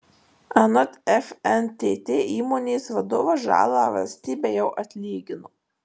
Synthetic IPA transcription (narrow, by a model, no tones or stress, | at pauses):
ɐnɐt̪ʲɛfɛnt̪ʲeːt̪ʲeːʔiːmoːnʲeːsʋɐd̪oːʋɐʒɑ̰ːlˠɑːʋɐ̰lʲsʲt̪ʲiːbʲejɛʊʔɐt̪ʲlʲiːɡʲɪno